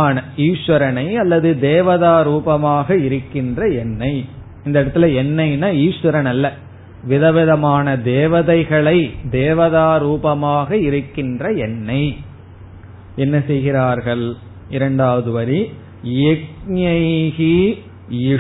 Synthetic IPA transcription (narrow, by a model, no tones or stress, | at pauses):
nɐiːʂʋɐɾɐnɐɪɐlːɐðɯd̪eːʋɐðaːɾuːbɐmaːɣɐɪɾɯkːɪndrɐɛnːɐɪ | ɪnd̪ɐɪɽɐt̪ːɪlɐɛnːɐɪnːɐiːʂʋɐɾɐnɐlːɐ | ʋɪðɐʋɪðɐmaːnɐd̪eːʋɐðɐɪɣɐɭɐɪd̪eːʋɐðaːɾuːbɐmaːɣɐɪɾɯkːɪndrɐɛnːɐɪ | ɛnːɐsɛjɣɪɾaːɾɣɐɭ | ɪɾɐɳɖaːʋɐðɯʋɐɾi | ɛk̚ɲɐɪɣi | ɪ